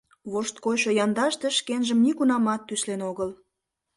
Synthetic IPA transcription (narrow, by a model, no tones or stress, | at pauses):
βoʃt̪̚koɕojɑnd̪ɑʃt̪eʃkenʒəmnikunɑmɑt̪ːyslenoɣəl